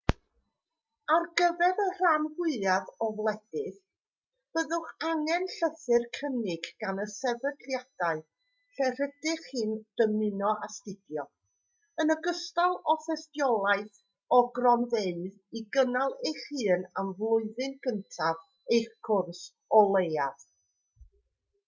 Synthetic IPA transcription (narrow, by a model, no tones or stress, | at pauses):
arɡəvɛɾər̥anhɪðjaðɔvlˠɛd̥ɪθ | b̥əðʊχaŋɛnɬəθɨrkʰənɪɡɡ̥anəsɛvədljad̥aɨ | ɬɛr̥əd̥ɪχhɨːnd̥əmɪnɔʔastɪdjɔ | ənəɡəstalˠɔfɛstjɔlˠaɨθ | ɔɡrɔnðeɨð | iɡənalˠejχɨːnamvlˠʊɨðɨnkʰəntʰav | ejχkʰʊrs | ɔlˠejað